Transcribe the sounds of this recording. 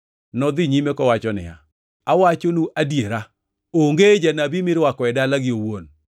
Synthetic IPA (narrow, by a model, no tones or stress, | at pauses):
nɔd̪ɪɲimekɔwat͡ʃɔnɪ̰ja̰ | awat͡ʃonuʔadjeɾa | oŋɡed͡ʒanabimɪɾwakɔɛdalaɡɪowon